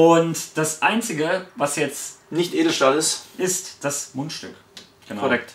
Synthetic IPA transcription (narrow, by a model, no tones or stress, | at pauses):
ʊntd̥asʔaɪnt͡sɪɡəvasjɛt͡stnɪçtʔeːdl̩ʃtalɪsʔɪstd̥asmʊntʃtʏk | ɡ̥ənaɔʁɛk̚t